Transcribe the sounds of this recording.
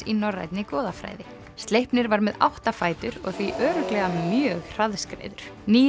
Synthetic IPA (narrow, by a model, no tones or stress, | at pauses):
inɔrːa̰jt̪nɪkɔːðafɾa̰ːjðɪ | st̪lejhpnɪɾvaɾmɛða̰wht̪afaːjt̪ʏɾɔ̰ɣθviʔœːɾʏklɛɣamjœːɣr̥aðskɾḛjðʏɾ̥niː